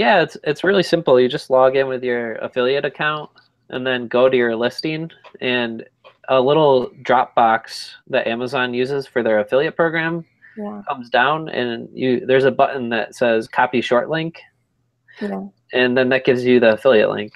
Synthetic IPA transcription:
jæɪtsɨtsɹɪlˠisɪ̃mpl̩ˠjɨd͡ʒʌstˡlɔɡɪ̃nwɨðjə˞ə̰fɪlˠiɨɾɨkʰãʊ̃nt̚ | ʔɨ̰̃nðɨ̃nɡoʊɾɨjə˞lɪstĩnɨ̃n | əlɪɾl̩ˠdɹɑp̚b̥ɑksðɨɾʔæməzɑ̃njʉzɪz̥fə˞ðə˞ɨfɪlˠiɨt̚pʰɹ̥oʊɡɹæ̃m | kʰʌ̃mzdãʊ̃nɨ̰̃njɨðə˞zəbʌʔn̩ðɨ̰tsɛz̥kʰɑpjɨʃɔɹʔlɪ̃ŋk | ɨ̃nðɨ̃nðɨt̚ɡ̥ɪvzjɨðiəfɪlˠiɨ̰ʔlɪ̰̃ŋk

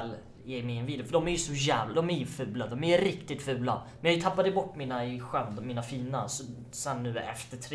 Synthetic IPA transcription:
l | jɛmɪɛnviːd̪fœɖɔmæɾjɵsɔjæːvlad̪ɔmæɾjɵfʉ̟ːlad̪ɔmæɾjɵɾɪkt̪ɪt̪fʉ̟ːlamɛjɑhjɵt̪ʰapːad̪əbɔʈːmiːnaɧœnd̪miːnafiːna̰sɔ | sɛnːʉ̟ːɛ̰ft̪əʈʰɾ

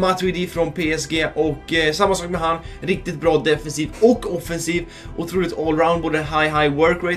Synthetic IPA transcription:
mat̪ɪd̪iːfɾɔnpʰeːɛsɡeːʔɔkːsamːasɑːk̚mɛɦanɾɪk̚t̪ɪt̪̚bɾɑːd̪ɛfɛnsiːvɔkːɔfɛnsiːv | ʔʊt̪ʰɾuːlɪkt̪ɔlɾaʊnboːd̪əɛnɦajɦajwœɾkɹeɪ

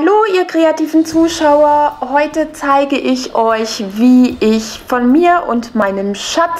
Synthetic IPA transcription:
aloːʔiːɐkʁ̥eatiːvn̩t͡suːʃaʊɐhɔʏtət͡saɪɡəʔɪçʔɔʏçviːʔɪçfɔnmiːɐʔʊ̰ntmaɪnəmʃat͡s

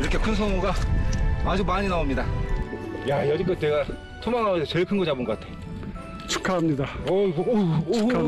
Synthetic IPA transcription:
iɾʌkʰe̞kʰɯns̬ʰʌŋoɡa | ad͡ʑumaɲinaomɲida | jajʌɡik͈ʌneɡa | tʰomaŋasʰet͡ɕeɭkʰɯnɡʌd͡ʑaboŋɡʌkatʰe̞̥ | t͡ɕʰu̥kʰamɲidaʌ

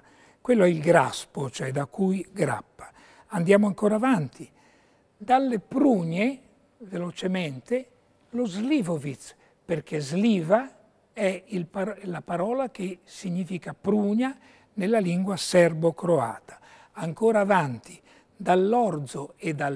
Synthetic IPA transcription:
kwelːoɛilɡɾa̰spot͡ʃoɛd̪akːujɡɾa̰pːḁ | and̪jaːmoaŋkoːɾavant̪i | d̪alːepɾuːɲe | velot͡ʃemɛnt̪e | lozlivovit̪s | perkʰezliːva | ɛilalapaɾɔːlakesiɲːiːfikapɾuːɲa | nelːaliŋɡwasɛrbokɾoa̰ːt̪ḁ | aŋkoːɾaːvant̪i̥ | d̪alːɔɾd̪zoed̪a

